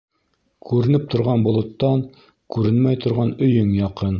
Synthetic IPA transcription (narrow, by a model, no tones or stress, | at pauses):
kʉɾɘ̆nɘp̚t̪ŏɾʁɑnbŏlˠŏt̪ːɑŋ | kʉɾɘnmæjt̪ŏɾʁɑnɵ̆jɵŋjɑqɤn